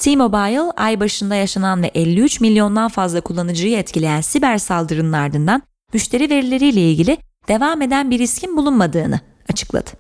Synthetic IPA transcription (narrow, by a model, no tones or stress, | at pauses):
t̪ʰimo̞bajlˠa̰jbaʃɯnd̪ajaʃananvɛʔɛlʲːiyt͡ʃmilʲjo̞nd̪anfazlˠakʰulˠːanɯd͡ʒɯjaɛt̪cʰilʲe̞jænsibæɾsalˠd̪ɯɾɯnɯnaɾd̪ɯnd̪an | myʃt̪ʰe̞ɾive̞ɾilʲe̞ɾijlʲɛilʲɟʲilʲɪ | d̪̥e̞vame̞d̪ænbiɾiscʰinbulˠunmad̪ɯːnɯ | at͡ʃʰɯ̥klˠa̰d̪̥ɯ̥